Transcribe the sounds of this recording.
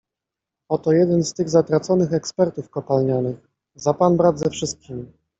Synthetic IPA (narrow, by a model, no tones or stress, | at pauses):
ɔt̪ɔjɛd̪ɛnst̪ɘɣzat̪ɾat̪sɔnɘxɛkspɛɾt̪ufkɔpalɲɔnɘx | zapanbɾad̪zɛfʂɘst̪̚kʲimʲi